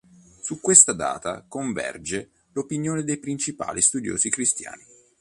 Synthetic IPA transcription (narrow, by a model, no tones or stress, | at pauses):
sukːwest̪ad̪a̰ːt̪a̰koɱvɛ̰rd͡ʒe | lopinjoːned̪ejpɾint͡ʃipa̰ːlʔist̪ud̪jo̰ːzikɾist̪ja̰ːni